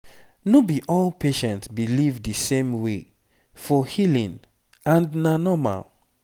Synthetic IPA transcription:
nobiʔɔlpʰeʃɛ̃ntsbilivdisẽmwe | fɔhilĩn | ãndnanɔma̰l

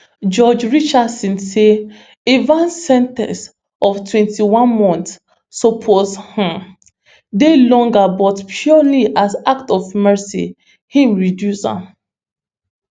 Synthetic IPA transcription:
d͡ʒɔd͡ʒɹit͡ʃasĩnse | evãnsɛ̃ntɛ̰̃ns | ɔftʰwɛ̃ntʰiwãnmɔ̃nt | sɔpʰozhĩm | delɔ̃ŋɡabɔtpʰjɔliʔasaktɔvmɛsḭ | hĩmɹidjusã̰

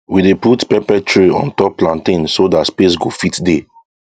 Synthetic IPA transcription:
wideputpɛpɛtɹeɔ̰̃ntɔpːlãntĩnsodatspesɡofitde

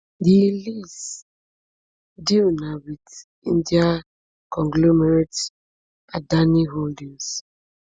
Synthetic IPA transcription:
dilis | dinawid | ḭ̃ndia | kɔ̃ŋɡlɔmɛɾet | adaniɦoldĩŋs

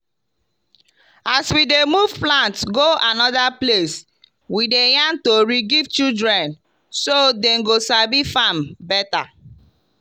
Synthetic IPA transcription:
aswidemuvplãntɡoanɔdaples | widejãntoɹiɡivt͡ʃidɹɛ̃n | sodɛ̃mɡosabifãmbɛta

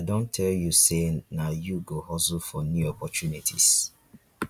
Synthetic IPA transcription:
adõntʰɛljusenajuɡohɔsufɔnjuɔpɔt͡ʃunitʰḭs

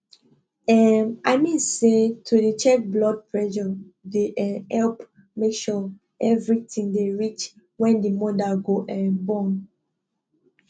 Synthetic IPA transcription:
ɛmaɪmĩnsetʰudit͡ʃɛk̚blɔd̚pʰɹɛʃɔdeʔɛhɛlp | mekʃɔ | ɛvɹitʰĩŋdeɹit͡ʃ | wɛ̃ndimɔdaɡoʔɛ̃nbɔ̃n

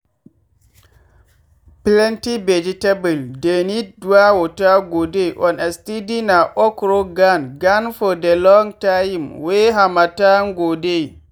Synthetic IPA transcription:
plɛntibed͡ʒitabuldeniduwawotaɡodeʔɔnastidinaʔɔkɾoɡanɡanfɔdelɔŋtajmweɦamatanɡode

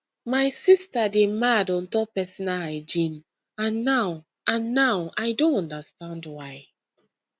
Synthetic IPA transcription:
majsistademadɔ̃ntɔpɛsinaaɪd͡ʒĩn | ãnːaw | ãnːawajdõnɔ̃ndastãndwaj

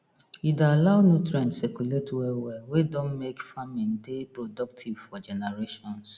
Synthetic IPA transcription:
idaalaʊnutɾɛ̃ntsɛkuletʰwɛwɛwedõnmekfamĩndepɹodɔktʰivfɔd͡ʒɛnɛɹeʃɔ̃ns

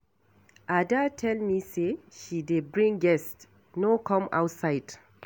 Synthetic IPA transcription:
ʔadatʰɛlmiseʃidebɹĩŋɡɛst | nokʰɔ̃ma̰wtsaɪd̥

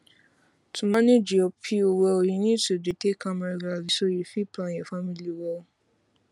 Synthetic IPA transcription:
tũmãnĩd͡ʒiɔpʰiowɛojĩnĩtudetekãmaɾiɡalisojifiplãjɛfamĩliwɔ

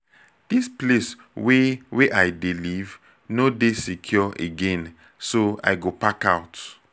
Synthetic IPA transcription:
d̥isples | weweʔajdeliv | nodesikʰjɔʔeɡɛ̃n | soa̰jɡopakaʊt

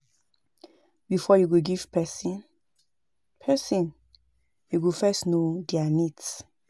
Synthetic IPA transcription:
bifɔjuɡuɡiv̥pɛsin | pʰɛsĩn | juɡufɛstnodianits

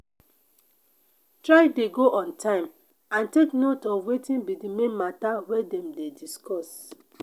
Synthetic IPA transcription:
tɹaɪdeɡoʔɔ̃ntʰãɪ̃m | ãnteknotɔvwetĩnbidimẽnmatawɛdɛ̃mdediskɔs

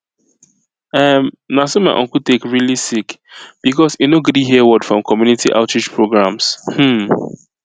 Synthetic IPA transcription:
ʌm | nasemaɪʔɔ̰̃ŋkul̩tekɹilisikb̥ikɔsunoɡdiɦiəwɔd̥fɹɔ̃mkʰɔmjunitiʔa̰ʊtɹid͡ʒpʰɹoɡɹãmshm̩

